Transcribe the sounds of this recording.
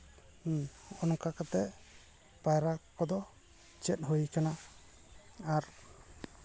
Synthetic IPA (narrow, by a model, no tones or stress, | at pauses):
ɔnkakat̪ɛʔ | pajɾakɔd̪ɔ | t͡ʃɛt̪̚ˀɦujkana | aɾ